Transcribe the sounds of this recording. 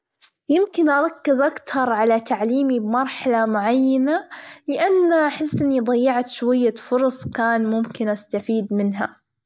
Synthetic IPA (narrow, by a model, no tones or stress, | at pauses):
jɪmkɪnʔɑɾˤɑkːɪzʔakt̪ʰɑɾˤʕalat̪aʕliːmibmɑɾˤħalamʊʕajːanalɪʔanːʔaħɪsːʔɪnːid̪ˤɑjːɪʕt̪ʃwajːafʊɾˤɑsˤkaːnmʊmkɪnʔast̪afiːd̪mɪnɦa